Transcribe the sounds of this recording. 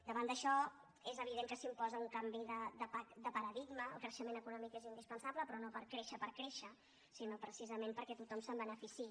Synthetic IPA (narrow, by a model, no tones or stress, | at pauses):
d̪əβand̪əʃɔ | ezəβ̞iðeŋkəsimpɔzəuŋkambiðəd̪əpakd̪əpəɾəðiɡməəlˠkɾəʃəmenəkunɔmikezind̪ispənsaβləpɾɔnopəɾkɾeʃəpəɾkɾeʃə | sinopɾəsizəmempəɾkɛt̪ut̪ɔmsəmbənəfisi